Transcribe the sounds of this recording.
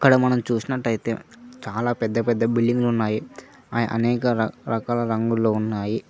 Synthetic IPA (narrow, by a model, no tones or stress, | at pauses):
ɐkːɐɽɐmɐnɐmt͡ʃuːsinɐʈːɐjit̪ḛːt͡ʃaːlaːpɛd̪ːɐpɛd̪ːɐbilːiŋɡlunːaːji | a̰ːjɐ̰ʔɐ̰nɛːkɐɐɾɐkaːlɐɾɐŋɡulːoːunːaːji